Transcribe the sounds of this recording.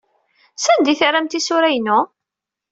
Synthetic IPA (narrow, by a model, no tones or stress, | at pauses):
sænd̪iθɾæmt̪isʊɾæjnʊ